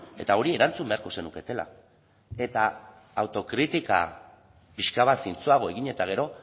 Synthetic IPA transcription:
e̞t̪ao̞ɾie̞ɾant͡sumbe̞aɾko̞se̞nuke̞t̪e̞la̰ | e̞t̪aː | wt̪o̞kɾit̪ika̰ | piʃkaβat̪sint͡suaɣ̞o̞e̞ɣiɲe̞t̪aɣ̞e̞ɾo̞

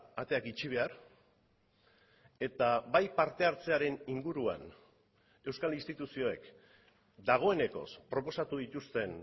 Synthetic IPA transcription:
at̪e̞akit͡ʃiβ̞e̞aɾ | e̞t̪aβajpaɾt̪e̞aɾt͡se̞aɾe̞niŋɡuɾua̰n | e̞wskalinst̪it̪usio̞e̞k | d̪aɣ̞o̞e̞ne̞ko̞̰spɾo̞po̞sat̪uðit̪ust̪e̞n

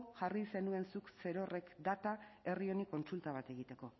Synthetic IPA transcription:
ʝarise̞nue̞nsukse̞ɾo̞re̞kd̪at̪ae̞rio̞niko̞nsult̪aβ̞at̪e̞ɣ̞it̪e̞ko̞

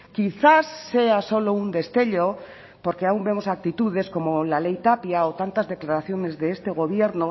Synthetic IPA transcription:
kiθasːe̞aso̞lound̪e̞st̪e̞ʎo | po̞ɾkeaumbe̞mo̞sak̚t̪it̪uðe̞sko̞molalejt̪apjaot̪ant̪azðe̞klaɾaθjo̞ne̞zðe̞est̪e̞ɣ̞o̞β̞je̞ɾno

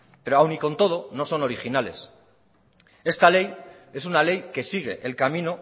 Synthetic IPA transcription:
pe̞ɾoawniko̞nt̪o̞ðo̞no̞so̞no̞ɾixinale̞̰s | e̞st̪ale̞j | e̞sunale̞jke̞siɣ̞e̞ʔelkamĩno

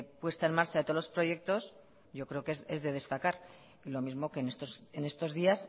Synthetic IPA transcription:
pwe̞st̪ae̞nmaɾt͡ʃaðet̪olo̞spɾo̞je̞k̚t̪o̞s | ʝo̞kɾe̞okeze̞zðe̞ð̞e̞st̪akaɾ | ilo̞mizmo̞ke̞nest̪osene̞st̪o̞zðias

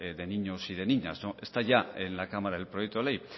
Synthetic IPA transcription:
d̪e̞niɲosiðeniɲa̰soest̪aʝaenlakamaɾaðelpɾojek̚t̪uolej

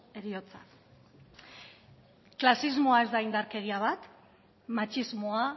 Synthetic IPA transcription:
e̞ɾio̞t͡sa̰ | klasizmoae̞zd̪aind̪aɾke̞ɣiaβ̞at̪ | mat͡ʃizmo̞a

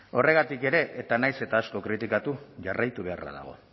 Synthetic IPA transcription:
o̞re̞ɣ̞at̪ike̞ɾe̞ʔet̪anajse̞t̪aːsko̞kɾit̪ikat̪uʝarajt̪uβ̞e̞a̰ra̰ða̰ɣ̞o̞̰

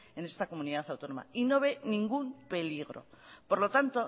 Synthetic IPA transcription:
e̞ne̞st̪ako̞muniðaθawt̪o̞no̞ma̰ino̞β̞e̞nĩŋɡumpe̞liɣ̞ɾo̞̰po̞ɾlo̞t̪ant̪o̞

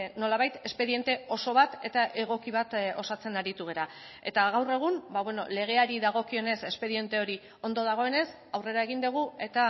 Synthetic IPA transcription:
no̞laβajt̪e̞spe̞ðie̞nt̪e̞o̞so̞β̞at̪e̞t̪aʔe̞ɣ̞o̞kiβ̞at̪o̞sat͡se̞naɾit̪uɣ̞e̞ɾa | e̞t̪aɣ̞awre̞ɣ̞umbaβweno̞̰le̞ɣ̞e̞aɾiðaɣ̞o̞kio̞ne̞se̞spe̞ðie̞nt̪e̞o̞ɾi | o̞nd̪o̞ð̞aɣ̞o̞e̞ne̞s | awre̞ɾae̞ɣ̞ind̪uɣ̞ue̞t̪a

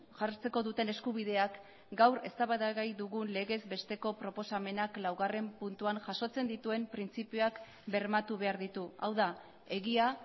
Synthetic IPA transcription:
ʝart͡se̞ko̞ðut̪e̞ne̞skuβ̞iðe̞ak | ɡawɾe̞̰st̪aβaðaɣajd̪uɣunle̞ɣe̞zbe̞st̪e̞ko̞pɾo̞po̞same̞naklawɣare̞mpunt̪uanʝaso̞t͡se̞nd̪it̪ue̞mpɾint͡sipioak | be̞ɾmat̪uβe̞aɾðit̪ua̰wða | e̞ɣia

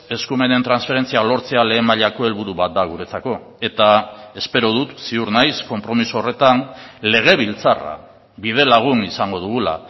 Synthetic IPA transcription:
e̞skume̞ne̞nt̪ɾansfe̞ɾe̞nt͡sialo̞ɾt͡se̞ale̞ːmaʎako̞e̞lβuɾuβat̪̚d̪aɣuɾe̞t͡sako̞ | e̞t̪ae̞spe̞ɾo̞ð̞ut̪siuɾnajsko̞mpɾo̞misuore̞t̪anle̞ɣ̞e̞βilt͡sara̰ | βið̞e̞laɣ̞unisaŋɡo̞ð̞uɣula̰

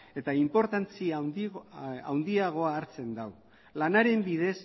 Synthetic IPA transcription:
e̞t̪aimpo̞ɾt̪ant͡si | a̰wnd̪iaɣ̞o̞aːɾt͡se̞nd̪aw | lanaɾe̞mbiðe̞s

